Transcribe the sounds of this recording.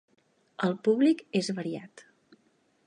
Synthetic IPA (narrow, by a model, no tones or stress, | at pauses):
əlˠpuβlikezβəɾia̰t̪